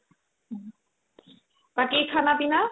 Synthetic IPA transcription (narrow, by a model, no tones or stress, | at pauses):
pakekʰanapina